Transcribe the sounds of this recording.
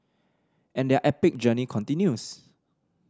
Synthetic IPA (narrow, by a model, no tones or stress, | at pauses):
ʔɛ̃ndɛʔɛpɪk̚d͡ʒənikʰɔ̃ntĩnjus